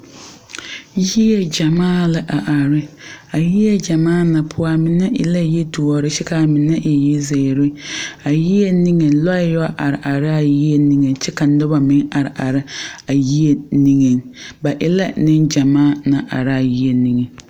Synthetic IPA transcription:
ji˦e˦d͡ʒa˨maː˦˨lɪ˨ʔa˨ʔa˨ɾɪ˦a˨ji˦e˦d͡ʒa˨maː˦na˨pʰʊ˦a˦mɪ˨nɛ˦ʔɪ̰˨la˦jɛ˦du˨ɔ˨ɾɪ˦t͡ʃɛ˦ka˨mɪ˨nɛ˦ʔe˨ji˦ze˨ɾɪ˦a˨ji˦e˦ni˦ŋe˨lɔ˦jɔ˦ʔa˨ɾɪ˨ʔa˨ɾɪ˦a˨ji˦e˦ni˦ŋe˨t͡ʃɛ˦ka˨nʊ˦ba˨mɪ˦ŋa˨ɾɪ˨ʔa˨ɾɪ˦a˨ji˦e˦ni˦ŋe˨ŋba˨ʔɪ˦la˦nɪ˦nd͡ʒa˨maː˦˨na˨ʔa̰˨ɾɪ˦a˨ji˦e˨ni˦ŋe˨

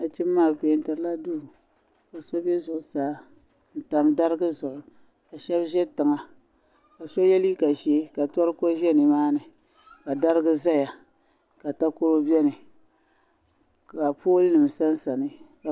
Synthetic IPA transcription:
a˨t͡ʃɪ˦mː˦aː˦˨pe˨˦n̩˦tɨ˨ɾɨ˦la˦duː˦˨ | ka˨sɔ˦bɛ˦zʊ˨˦saː˨˦ | n̩˨ta˨mda˦ɾɨ˦ɡɨ˦zɔ˨lʊ˨ | ka˨ʃɛ˦bʒɛ˦tɨ˨ŋa˨ | ka˨sɔ˦jɛ˦li˦ka˨ʒe˦ka˨tɔ˦ɾɨ˦ko˦ʒɛ˦nɨ˨maː˦nɨ˨ | ka˨da˦ɾɨ˦ɡɨ˦za˦ja˨ | ka˨ta˦ko˦ɾo˦bɛ˦nɨ˨ | ka˨poː˦lɨ˦nɨ˨m˨sa˦n˦sa˨nɨ˨ka˨

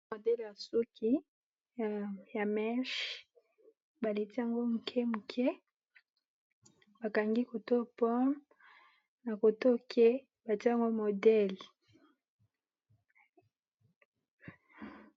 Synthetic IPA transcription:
o˨dɛ˦lja˨su˦kʰi˦ | ja˨mɛ˦ʃ | ba˨le˨ti˦a˨ŋɡo˦mu˨kʰe˦mu˨kʰe˦ | ba˨ka˨ŋɡi˦ko˨to˦pɔ˦m | na˨ko˨to˦kʰe˦ | ba˨ti˦a˨ŋɡo˦mo˨dɛ˦l

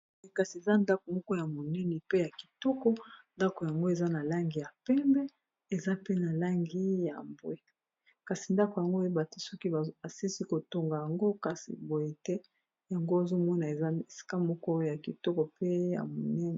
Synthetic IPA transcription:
e˦ka˨si˨e˨za˦nda˦ko˨mɔ˦kɔ˦ja˨mo˨nɛ˦nɛ˨pe˦ja˨ki̥˨tɔ˦kɔ˦nda˦ko˨ja˨ŋɡo˦e˨za˦na˨la˦ŋɡi˦˨ja˨pɛ˦mbɛ˦ | e˨za˦pe˦na˨la˦ŋɡi˦ja̰˨mbo˦e˦˨ | ka˨si˨nda˦ko˨ja˨ŋɡo˦e˦ba˨ti˦sɔ˦ki˦˨a˨si˦si˦ko˨to˦ŋɡa˨ja˨ŋɡo˦ka˨sḭ˨bo˨je˦tɛ˦ | ja˨ŋɡo˦˨zo˦mɔ˦na˨e˨a˦e˨si̥˦ka˦mɔ˦kɔ˦ja˨ki˨tɔ˦kɔ˨pe˦ja̰˨mo˨nɛ˦nɛ˨

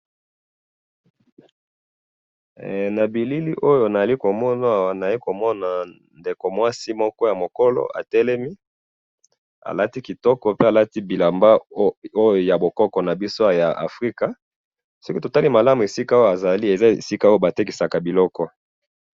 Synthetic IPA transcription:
na˨bi˨li˦li˦ʔo˦jo˨na˨a˨li˦ko˨mɔ˦na˦˨wa˨na˨a˨li˦ko˨mɔ˦na˨ | nde˨ko˨mwa˦si˦mɔ˦kɔ˦ja˨mo˨kɔ˦lɔ̰˦a̰˨tɛ˦lɛ˦mi˦ | a̰˨la˦ti˦ki˨tɔ˦kɔ˨pe˦a˨la˦ti˦bi˨la˨mba˦o˦jo˨ja˨bo˨kɔ˦kɔ˨na˨bi˦so˦a˨ja˨ʔa̰˨fʁi˦ka˨ | sɔ˦ki˦to˨ta˦li˦ma˨la˦mu˨e˨si˦ka˦o˦jo˦a˨za˨li˦e˨za˦ḛ˨si˦ka˦o˦jo˦˨ba˨te˦ki˨sa˨ka˨bi˨lɔ˦kɔ˦

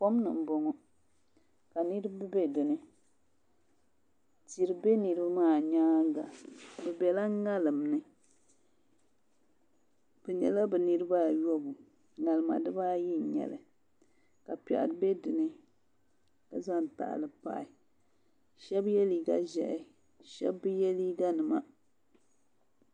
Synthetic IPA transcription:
pɔ˦m˦nɨ˨m̩˨bɔ˨ŋɔ˨ | ka˨ni˦ɾɨ˦bɨ˦bɛ˦dɨ˨nɨ˦ | ti˨ɾɨ˦be˦nɨ˨ɾɨ˦bɨ˦maː˦˨ɲaː˦ɡa˨bɛ˨bɛ˨la˦ŋa˦lɨ˨mnɨ˦ | b̥ɛ˨ɲɛ̰˨la˦bɛ˨nɨ˦ɾɨ˦ba˦˨jɔ˦bu˨ | ŋa˨lɨ˨ma̰˨dɨ˦ba˦ji˦˨ɲɛ̰˨lɨ˨ | ka˨pɛ̰˨ʔa̰˨ɾɨ˨˦bɛ˦dɨ˨nɨ˦ | ka˨za˦˨n˨ta̰˨ʔlɨ˨pa̰˦˨ɪ˨ | ʃɛ˦bjɛ˦li˨ɡa̰˦ʒɛ˨ʔɛ˦ | ʃɛ̰˦bːɨ˦jɛ˦liː˦ɡa˦nɨ˨ma˦

